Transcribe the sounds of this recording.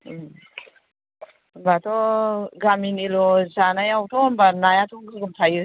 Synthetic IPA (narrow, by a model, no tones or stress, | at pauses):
mbatʰɔɡaminilɔzanajawtʰɔmbanajatʰɔŋɡɯɡumtʰajɾ